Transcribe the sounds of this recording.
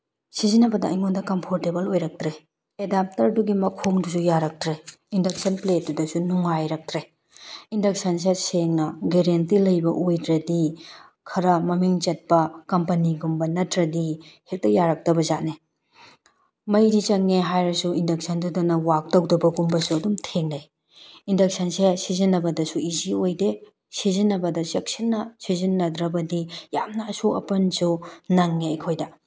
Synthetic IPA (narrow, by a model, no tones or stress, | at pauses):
sizinɐbɐdɐ̰ɐ̰jŋondɐkɐmpʰoɾtebɐlojɾɐk̚tɾe | edap̚tɐɾduɡimɐkʰoŋdusujaɾɐk̚tɾe | indɐk̚sɐnplet̚dudɐsunuŋajɾɐk̚tɾe | indɐk̚sɐns̬eseŋnɐɡeɾentilɐjbɐʔojdɾɐdi | kʰɐɾɐmɐmiŋt͡ʃɐt̚pɐkɐmpɐniɡumbɐnɐtɾɐdihek̚tɐjaɾɐk̚tɐbɐzaʔne | mɐjɾit͡ʃɐŋːeɦajɾɐsuindɐk̚sʰɐndudunɐwak̚tɐwdɐbɐɡumbɐsuɐdumtʰeŋnɐj | indɐk̚sɐnsesizinːɐbɐdɐsuiziojde | sizinːɐbɐdɐsek̚sinːɐsizinːɐd̪ɾɐbɐdijamnɐːsuɐ̰pɐnsunɐŋːeɐjkʰojdɐ